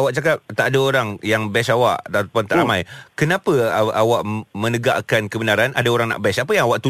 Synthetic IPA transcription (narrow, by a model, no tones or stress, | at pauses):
awaʔt͡ʃakap̚t̪aʔadaoɾaŋjaŋbɛsawaʔt̪aʔt̪̚pant̪aʔamãjkənapəawaʔmə̃nəɡa̰ʔkankəbənaɾanadaoɾaŋna̰ʔbɛsapəjaŋawaʔt̪u